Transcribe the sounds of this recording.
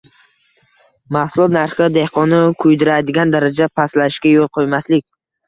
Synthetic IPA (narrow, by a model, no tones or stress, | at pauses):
mahsʊlˠɒt̪naɾχɪd̪e̞hqʰɒnɪkʰʊjd̪ɪɾad̪ɪɡʲand̪aɾad͡ʒapʰaslaɪʃkʲajolˠqʰojmaslɪk̚ʲ